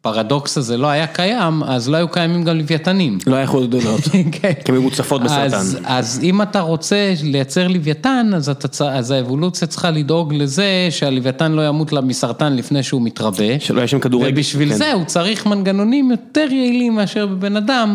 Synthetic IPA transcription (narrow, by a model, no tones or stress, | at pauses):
paʁado̞ksazelo̞ajakajamazlo̞ajukajamimɡamlivjatanimloajaḛχolot̪d̪onot̪kʰenkmeut͡safo̞t̪̚besaʁzanazimataʁo̞t͡se̞le̞jat͡se̞ʁlivjatanazat̪aazaevo̞lut͡sijat͡sχalid̪o̞ɡle̞ze̞ʃealivjatanlo̞jamut̪lamisaʁtanlifne̞jʃeumit̪ʁabe̞ʃḛloajaʃemkad̪uʁvebiʃvilze̞ut͡saʁiχmanɡano̞nimjo̞t̪e̞ʁjeilimeaʃe̞ʁbebe̞nadam